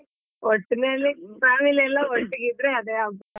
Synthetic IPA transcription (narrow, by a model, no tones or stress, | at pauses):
oʈːinelipɾaːmilɛlːaoʈːiɡid̪ɾeɐd̪eap